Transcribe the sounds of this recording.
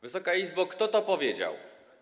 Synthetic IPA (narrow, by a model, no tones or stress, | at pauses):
vɘsɔkaizbɔkt̪ɔt̪ɔpɔvʲjed͡ʑa̰w